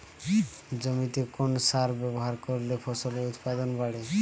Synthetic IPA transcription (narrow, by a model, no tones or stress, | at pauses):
d͡ʑomit̪ekonsaɾbɛboɦaɾkoɾlepʰɔsolut̪pad̪onbaɽe